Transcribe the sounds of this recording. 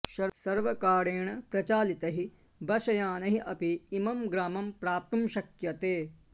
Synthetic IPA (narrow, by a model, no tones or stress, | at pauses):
ʃɐsɐɾʋɐkaːɾeːɳɐpɾɐt͡ʃaːlit̪ɐɦi | bɐʃɐjaːnɐɦiʔɐpiːmɐmɡɾaːmɐmpɾaːp̚t̪umʃɐkjɐt̪eː